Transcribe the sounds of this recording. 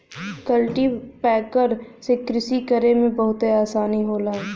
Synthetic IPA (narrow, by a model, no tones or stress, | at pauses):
kəlʈipɛːkəɾsekɾɪsikəɾemẽbɐɦʊt̪eaːsaːniɦoːlaɦɛː